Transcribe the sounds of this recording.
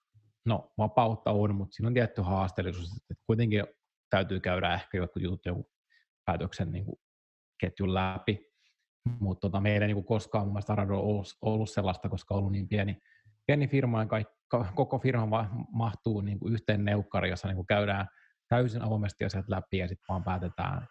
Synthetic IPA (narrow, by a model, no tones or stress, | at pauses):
noʋɑpɑut̪ːɑonmut̪siːnont̪iæt̪ːyhɑːst̪elːˑisuːset̪ːet̪kuit̪eŋki | t̪æyt̪yːkæyɾæehkæjot̪kujut̪ut̪joŋku | pæːt̪øksennḭːŋkṵ | ket̪jullæpi | mut̪ːot̪ɑmeilːeˑiniːŋkukoskɑːmumːelst̪ɑrɑnoolːsolːusselːɑst̪ɑkoskɑolːunniːmpiæni | piænifirmɑikɑik | kɑkokofirmɑʋɑmɑht̪uːniːŋkuyht̪eːnneukːɑrijosːɑniːŋkukæydæːn | t̪æysinʔɑʋomest̪iɑ̰siɑt̪læpijɑsit̪ʋɑːmpæːt̪et̪æ̰ːn